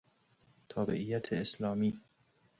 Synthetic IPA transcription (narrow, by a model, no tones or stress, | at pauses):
t̪ʰɒːbḛʔijːæt̪ʰeːslɒːmiː